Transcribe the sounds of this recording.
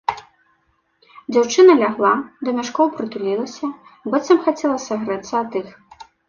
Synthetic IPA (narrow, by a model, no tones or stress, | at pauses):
d͡zʲawt͡ʂɨnɐlʲaɣlˠad̪ɐmʲaʂkɔwpɾɨt̪ulʲilˠɐsʲɐ | bɛt̪sɐmxat͡sʲɛlˠɐsɐɣɾɨt̪sːɐat̪ɨx